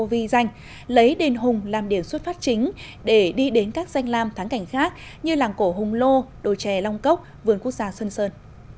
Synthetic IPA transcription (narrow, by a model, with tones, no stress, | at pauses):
o˧vi˧za˧jŋ̟ | lə˨˦jɗe˨˩nɦʊ˨˩ŋ͡mlaː˨˩mɗi˧˩əmswə˦˥t̚faː˦˥t̚t͡ɕï˨˦ŋ̟ | ɗe˧˩ɗi˧ɗe˨˦nkaː˦˥k̚za˧jŋ̟laː˧mt̪ʰaː˨˦ŋka˧˩jŋ̟xaː˦˥k̚ɲɨ˧laː˨˩mko˧˩ɦʊ˨˩ŋ͡mlo˧ɗo˧˨˩t͡ɕɛ˧˩la˧wŋ͡mkə˦˥wk͡p̚vɨ˨˧˩ənku˦˥ək̚zaː˧swə˧nsəː˧n